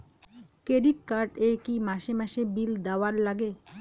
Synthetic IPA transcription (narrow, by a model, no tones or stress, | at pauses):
keɖikkaɾʈekimaʃemɛʃebild̪ɛwaɾlaɡe